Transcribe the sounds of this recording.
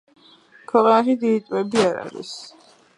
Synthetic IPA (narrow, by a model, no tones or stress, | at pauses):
kʰwɛqʼanaʃid̪iːt̪ʼvɛbiaɾa̰ɾḭs